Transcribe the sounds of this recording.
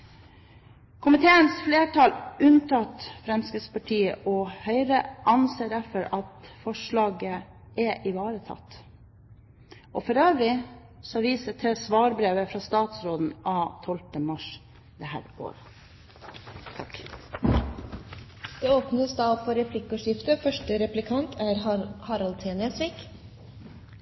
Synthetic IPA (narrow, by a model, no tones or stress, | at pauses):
kʰʊmɪt̪ʰeːənsfleːʈʰɑlʉnt̪ʰɑt̪fɾɛmskəspɑʈʰiːə̰ʔɔhœʏɾəʔɑnseːɾɛfəɾɑt̪fɔʂɭɑːɡə | ɛʔɪʋɑːɾət̪ʰɑ̰t̪ː | ʔɔfɔɾøːʋɾɪ | sɔʋiːsət̪ʰɪlsʋɑːɾbɾeːʋəfɾɑst̪ɑːt̪sɾoːd̪n̩ɑːt̪ʰɔlt̪əmɑʂ | d̪ɛhæ̰ːɾo̰ːɾə | t̪ʰɑk | d̪̥ɛoːpnəsd̪ɑːpʰɔɾɛpʰlɪkːʊʂɪft̪əfœʂʈəɾɛplɪkʰɑnt̪ʰæɾhɑɾɑlt̪ʰeːnɛsʋɪk